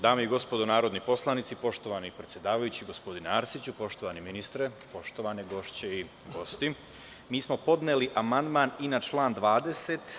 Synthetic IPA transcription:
d̪aːmeiɡo̞spo̞d̪onaːɾo̞d̪nipo̞slˠanit̪sipo̞ʃt̪oʋanipɾet̪sjed̪aːʋajut͡ɕiɡo̞spo̞d̪ineaɾsit͡ɕupo̞ʃt̪o̞ʋaniminist̪ɾepo̞ʃt̪o̞ʋaneɡo̞ʃt͡ɕei | ɡo̞st̪i | miːsmo̞po̞d̪neliʔamand̪maːninat͡ʃlˠaːnd̪ʋaːd̪e̞se̞t̪

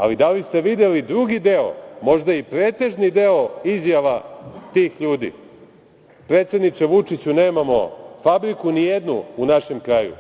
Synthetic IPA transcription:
a̰lid̪alist̪e̞ʋid̪e̞lid̪ɾuɡid̪e̞o̰mo̞ʒd̪aipɾeːt̪e̞ʒnid̪eo̞izjaʋat̪iːxʎuːd̪ḭ | pɾet̪se̞d̪nit͡ʃeʋut͡ʂit͡ɕune̞ːmamo̞̰fabɾikunije̞d̪nṵunaʃe̞mkɾaːjṵ

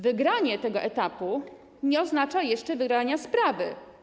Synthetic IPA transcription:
vɘɡɾaɲɛt̪ɛɡɔʔɛt̪apu | ɲɛɔznat͡ʂajɛʂt͡ʂɛvɘɡɾaɲaspɾavɘ̰

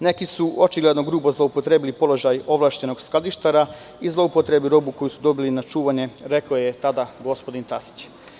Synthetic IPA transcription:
ne̞kisuo̞t͡ʃiɡled̪no̞ɡɾuːbo̞zlˠoupot̪ɾebilipo̞lo̞ʒajo̞ʋlˠaːʃt͡ɕe̞no̞ɡsklad̪iʃt̪aɾa | izlˠo̞upot̪ɾe̞bliɾo̞buko̞jusu̥d̪o̞bilinat͡ʃuːʋaɲe̞ɾe̞kojet̪ad̪aɡo̞spod̪int̪asi̥t͡ɕ

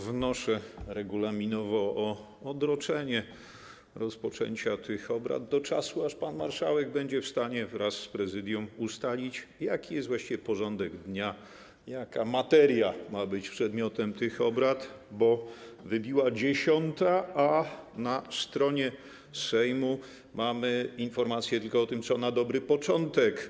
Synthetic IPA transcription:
vnɔʂɛɾɛɡulamʲinɔvɔɔ | ɔd̪ɾɔt͡ʂɛɲɛ | ɾɔspɔt͡ʂɛ̰ɲt͡ɕat̪ʰɘxɔbɾa̰d̪d̪ɔt͡ʂasuaʂpanma̰ɾʂawɛɡ̚bɛɲd͡ʑɛfst̪aɲɛvɾasːpɾɛzɘd̪ʲjɔ̃must̪alʲit͡ɕjakʲijɛst̪vwaɕt͡ɕivʲɛpɔʐɔnd̪ɛɡd̪ɲa | jakamat̪ɛɾjamabɘt͡ɕpʂɛd̪mʲjɔt̪ɛmt̪ɘxɔbɾat̪bɔvɘbʲiwad͡ʑeɕɔnt̪aʔanast̪ɾɔɲɛ | sɛjmu | mamɘinfɔɾmat̪sʲjɛt̪ɘlkɔɔt̪ɘmt̪sɔnad̪ɔbɾɘpɔt͡ʂɔnt̪ɛk

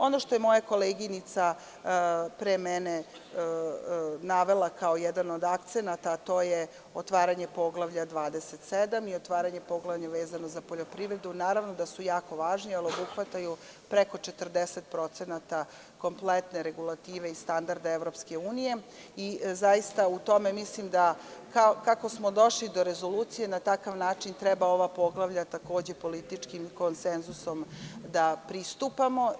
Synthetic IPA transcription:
o̞no̞ʃt̪o̞jemo̞jako̞leɡinit̪sa | pɾeːmene | naʋe̞lˠakaojɛd̪ano̞d̪akt̪senat̪aːt̪oːje | ot̪ʋaːɾaɲe̞po̞ɡlˠaʋʎad̪ʋaːd̪eset̪sed̪amiot̪ʋaːɾaɲepo̞ɡlaʋʎaʋeːzano̞zapoʎo̞pɾiʋɾed̪unaːɾaʋnod̪asujaːko̞ʋaːʒnialio̞buxʋat̪aju | pɾeko̞t͡ʂet̪r̩d̪eset̪̚pɾo̞t̪senat̪a | ko̞mplet̪ne̞ɾeɡulˠat̪iːʋeist̪and̪aɾd̪aeʋɾo̞pske̞uːnije̞izajist̪aut̪o̞me̞mislimd̪akakako̞smod̪o̞ʃlid̪o̞ɾe̞zo̞luːt̪sije̞nat̪akaʋnaːt͡ʂint̪ɾɛbao̞ʋapo̞ɡlˠaʋʎat̪ako̞ːd͡ʑe̞po̞lit̪it͡ʂkimko̞nsenzuso̞md̪apɾist̪upamo̞

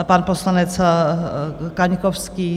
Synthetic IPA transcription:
panposlanɛt͡s | kaɲkofskiː

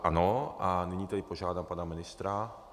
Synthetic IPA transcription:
ʔanɔaniɲiːt̪ɛd̪ipɔʒɪaːd̪ampaːnaminist̪ɾa

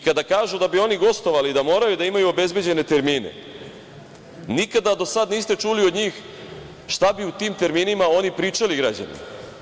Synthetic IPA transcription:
kad̪akaːʒud̪abio̞niɡo̞st̪o̞ʋalid̪amo̞ːɾajud̪aimajuobe̞zbjed͡ʑe̞ne̞t̪e̞ɾmiːne̞̰ | nikad̪ad̪o̞sad̪niːst̪e̞t͡ʃulio̞d̪ɲiːx | ʃt̪abiut̪iːmt̪e̞ɾmiːnimao̞nipɾiːt͡ʃaliɡɾad͡ʑa̰nḭ

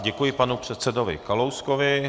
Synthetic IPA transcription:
ɟɛkujɪpanupr̝̥ɛt̪sɛdovɪ̰kalowskovɪ

